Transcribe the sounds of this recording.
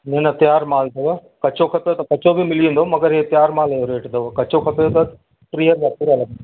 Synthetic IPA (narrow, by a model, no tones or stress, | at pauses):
nẽnɐt̪jaːɾmaːld̪ɐʋ | kɐt͡ʃokʰɐpejot̪ɐkɐt͡ʃobʱimɪlẽːnd̪omɐɡəɾɦet̪jaːɾmaːlejoɾeːʈd̪ɐʋkɐt͡ʃokʰɐpejot̪ɐ | ʈɾijəɾɡɐːpuɽalɐɡ̪